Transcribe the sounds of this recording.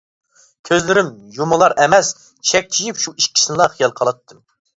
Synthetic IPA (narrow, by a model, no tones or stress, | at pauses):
kʲʰøzlɪɾɪmjumɨlˠɑɾɛmɛs | ʃɛk̚ʲt͡ʃʰijipʃuiʃkʲʰi̥sɨnlˠɑχijɑlˠqʰɑlˠɑt̪ʰːɨm